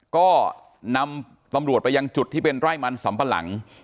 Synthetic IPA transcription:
kɔː˥˩ | na˧m | t̪a˧mɾu˨˩t̪̚pa˧ja˧ŋt͡ɕu˨˩t̪ʰːiː˥˩pe˧nɾaː˥˩jma˧nsa˩˦mpa˧la̰˩˦ŋ

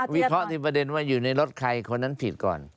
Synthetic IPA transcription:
wi˦˥kʰɾɔ˦˥ʔt̪ʰiː˧˩pɾa˧de˧nwaː˥˩juː˨˩na˧jɾo˦˥t̪̚kʰa˧jkʰo˧nːa˦˥npʰi˨˩t̪̚kɔ̰ː˨˩n

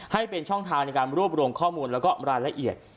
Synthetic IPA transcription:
ha˥˩jpe˧nt͡ɕʰɔ˥˩ŋt̪ʰaː˧ŋna˧jkaː˧nɾu˥˩əp̚ɾuː˧mkʰɔː˥˩muː˧nlɛː˦˥wkɔː˥˩ɾaː˧jla˧ʔi˨˩ət̪̚

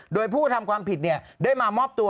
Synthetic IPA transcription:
doː˧jpʰuː˥˩t̪ʰa˧mkʰwaː˧mpʰi˨˩t̪̚ni˥˩ɐdaː˥˩jmaː˧mɔː˥˩p̚t̪u˧

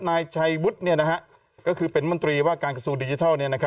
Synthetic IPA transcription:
naː˧jt͡ɕʰa˧jwu˦˥t̪̚ni˥˩ɐna˦˥kʰa˦˥ʔ | kɔː˥˩kʰɯː˧pe˨˧nmo˧˩nt̪ɾiː˧waː˥˩kaː˧nka˧su˧ŋdiː˧t͡ɕi˧t̪ʰɔː˥˩wni˥˩ɐna˦kʰ

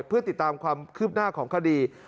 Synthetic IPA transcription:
jpʰɯ˥˩ɐt̪i˨˩t̪ːaː˧mkʰwaː˧mkʰɯː˥˩p̚naː˥˩kʰɔː˩˦ŋkʰa˧˩diː˧

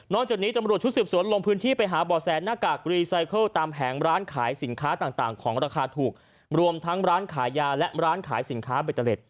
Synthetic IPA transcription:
nɔː˥˩ŋt͡ɕaː˨˩k̚niː˦˥t̪a˧mɾu˨˩ət̚t͡ɕʰu˦˥t̪sɯː˨˩p̚su˩˦nlo˧ŋpʰɯː˦˥nt̪ʰiː˥˩pa˧jɦaː˩˦bɔː˨˩sɛː˨˧nnaː˥˩kaː˨˩kɾiː˧sa˧˥jkʰɤ˥˩wt̪aː˧mpʰɛː˩˦ŋɾaː˦˥nkʰaː˩˦jsi˩˦nkʰaː˦˥t̪aː˨˩t̪aː˨˩ŋkʰɔː˩˦ŋɾaː˧kʰaː˧t̪ʰuː˨˩k̚ | ɾu˧əmt̪ʰa˦˥ŋɾaː˦˥nkʰaː˩˦jjaː˧lɛ˦˥ʔɾaː˦˥nkʰaː˩˦jsi˩˦nkʰaː˦˥beː˨˩t̪ʰːa˧le˨˩t̪̚

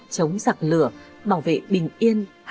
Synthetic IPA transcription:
t͡ɕə˨˦wŋ͡mzaː˨˩k̚lɨ˧˩əɓaː˧˩wvḛ˧˨ɓï˨˩ŋ̟ʔi˧ən | h

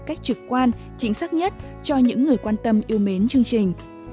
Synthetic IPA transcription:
kaː˦˥jk̟̚t͡ɕɨ˨˩kkːwaː˧n | t͡ɕï˨˦ŋ̟saː˦˥k̚ɲə˦˥t̚ | t͡ɕɔ˧ɲɨ̰˧˥ŋːɨ˨˩əjkwaː˧nt̪ə˧mʔi˧əwme˨˦nt͡ɕɨ˧əŋt͡ɕi˨˩ŋ̟

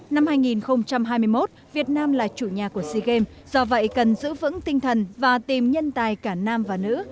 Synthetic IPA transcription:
na˧mhaː˧jŋi˨˩nxə˧wŋ͡mt͡ɕa˧mɦaː˧jmɨ˧əjmo˦˥t̚vi˨˩ət̚naː˧mlaː˨˩t͡ɕu˧˩ɲaː˨˩ku˧˩əsi˧ɣe˧mz̥ɔ˧və̰˧˨jkə˨˩nzɨ̰˧˥vɨ̰˧˥ŋt̪ï˧ŋ̟t̪ʰə˨˩nvaː˨˩t̪i˨˩mɲə˧nt̪aː˨˩jkaː˧˩naː˧mvaː˨˩nɨ̰˧˥

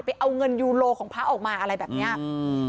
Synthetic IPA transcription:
pa˧jʔa˧wŋɤ˧njuː˧loː˧kʰɔː˩˦ŋpʰaː˦˥ʔɔː˨˩k̚maː˧ʔa˧ɾa˧jbɛː˨˩p̚ni˦˥ɐ

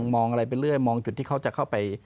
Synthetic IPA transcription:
ŋmɔː˧ŋʔa˧ɾa˧jp̬a˧jɾɯ˥˩əjmɔː˧ŋt͡ɕu˨˩t̪ʰːiː˥˩kʰa˦˥wt͡ɕa˨˩kʰa˥˩wpa˧j

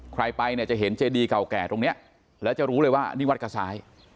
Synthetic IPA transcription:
kʰɾa˧jpa˧jni˧˩t͡ɕa˨˩ɦe˩˦nt͡ɕeː˧diː˧ka˨˩wkɛː˨˩t̪o˧ŋni˦˥ɐʔ | lɛː˦˥wt͡ɕa˨˩ɾuː˦˥lɤː˧jwaː˥˩niː˥˩wa˦˥t̚kʰa˧˩saː˩˦j

